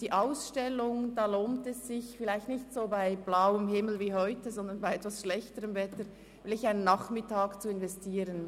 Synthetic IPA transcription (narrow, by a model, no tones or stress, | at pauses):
d̥iːʔaʊsʃtɛlʊŋd̥aːloːntɛsːɪçfɪlaɪçtnɪçtsoːbaɪb̥laʊəmhɪml̩viːhɔʏtəzɔnd̪ənbaɪɛtvasʃlɛçtəʁəmvɛtə | ɪlɪçaɪnənːaχmɪtaːkt͡suɪnvɛstiːʁən